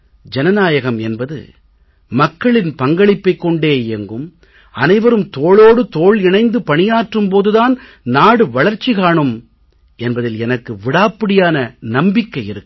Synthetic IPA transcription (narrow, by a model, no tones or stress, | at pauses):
d͡ʒɛnɐnaːjɐɣɐmɛnbɐðɯ̰ | mɐkːɐɭɪnpɐŋɡɐɭɪpːɐɪkːɔɳɖeːjɪjɐŋɡɯm | ɐnɐɪʋɐɾɯmt̪oːɭoːɽɯt̪oːɭɪnɐɪnd̪ɯpɐɳɪjaːʈrɯmpoːðɯðaːn | naːɽɯʋɐɭɐɾt͡ʃːiɣaːɳɯm | ɛnbɐðɪlɛnɐkːɯʋɪɽaːpːɪɽɪjaːnɐnɐmbɪkːɐɪɪɾɯkː